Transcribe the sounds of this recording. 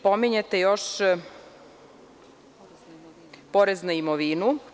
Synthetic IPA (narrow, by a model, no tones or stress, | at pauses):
po̞miɲet̪ejoʃ | poɾeznuimoʋinu